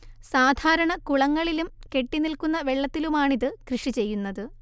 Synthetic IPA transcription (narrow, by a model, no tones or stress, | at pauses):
saːd̪ʱaːɾɐɳɐkuɭɐŋːɐɭilumke̞ʈːinilkunːɐʋe̞ɭːɐt̪ːilumaːɳiðɨkrɨʂit͡ɕe̞jːunːɐðɨ